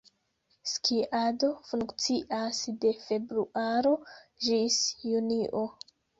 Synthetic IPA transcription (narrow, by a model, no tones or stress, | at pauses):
skʰiʔado̞fuŋkt͡siʔasde̞fe̞bɾuʔaɾo̞ʒisjuniʔo̞